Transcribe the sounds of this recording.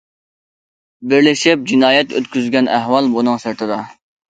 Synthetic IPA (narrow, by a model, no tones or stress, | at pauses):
bɪɾlɪʃɪp̚d͡ʒinɑːjɛt̪ʰø̰t̪kʲyzɡʲɛnʔæɦwɑlˠbunɨŋsɪɾt̪ʰɨd̪ɑ